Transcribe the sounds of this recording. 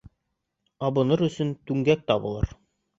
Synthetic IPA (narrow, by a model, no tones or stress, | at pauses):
ɑbɤ̆nɤɾɵ̆sɵnt̪ʉŋɡæk̚t̪ɑbɤ̆lˠɤ̰ɾ